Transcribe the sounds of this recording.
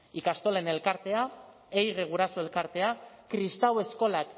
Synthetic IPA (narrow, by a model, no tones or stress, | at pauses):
ikast̪o̞le̞ne̞lkaɾt̪e̞a | ejɣeɣ̞uɾasoe̞lkaɾt̪e̞akɾist̪awe̞sko̞lak